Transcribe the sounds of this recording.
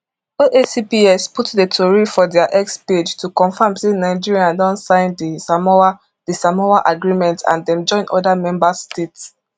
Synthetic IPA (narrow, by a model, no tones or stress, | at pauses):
oʔesipiɛsputdetʰɔɹifɔdɛaʔɛksped͡ʒtʰukɔ̃nfãmsenaɪd͡ʒiɹiãndɔ̃ntsãɪ̃nd | d̥isamɔaʔaɡɹimɛ̃ntʰã̰ndɛ̃md͡ʒɔ̃ɪ̃nʔɔ̰damɛ̃mbasstets